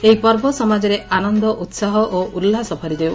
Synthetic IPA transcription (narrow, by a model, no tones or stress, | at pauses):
eipɔɾbɔsɔmad͡ʒɔɾeʔanɔnd̪ɔʔut̪saɦɔʔoʔulːasɔpʰɔɾid̪e